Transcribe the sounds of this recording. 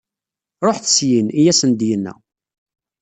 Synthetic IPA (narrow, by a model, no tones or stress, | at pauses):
ɾˤoħθə̥sjinijæsənd̪jənːæ̰